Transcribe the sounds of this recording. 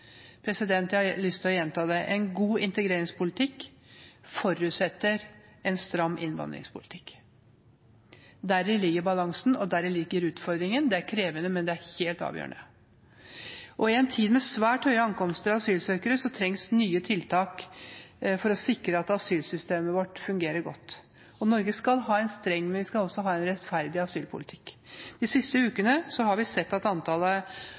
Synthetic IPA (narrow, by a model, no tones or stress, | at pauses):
pʰɾɛsɪd̪ɛnt̪ɑlʏst̪ʰɪɔjɛnt̪ʰɑːd̪ɛʔɛnɡuːɪnt̪əɡɾeːɾɪŋspʊlɪt̪ʰɪkː | fɔɾʉt̪sɛt̪ːəɾ | ɛnst̪ɾɑmːɪ̰nʋɑ̰nd̪ɾɪ̰ŋspʰʊlɪt̪ʰɪ̥kː | d̪æɾɪlɪɡːəɾbɑlɑŋsnɔd̪æɾɪlɪɡːəɾʉːt̪fɔɾd̪ɾɪŋənd̪ɛæɾkʰɾeːʋənəmɛnd̪ɛæɾheːlt̪ɑ̰ːʋjø̰ːəɳə | ʔɔɪɛnt̪ʰiːd̪mɛsʋæːʈhœʏəɑŋkɔmst̪əɾɑʋɑsyːlsøːkəɾəsɔt̪ʰɾɛŋsnyːət̪ʰɪlt̪ʰɑːk | fɔɾɔsɪkɾəɑt̪ɑsyːlsʏst̪eːməʋɔʈːfʉŋɡeːɾəɾɡɔ̰t̪ː | ɔnɔɾɡəskɑlɦɑːɛnst̪ɾɛŋːmɛnʋɪskɑlɔsːɔɦɑːɛnɾɛt̪fæɾd̪ɪɑsyːlpʰʊ̰lɪt̪ʰɪ̥kːd̪̥ɪsɪst̪əʉːkənəsɔhɑɾʋɪsɛt̪ːɑt̪ɑnt̪ʰɑːlə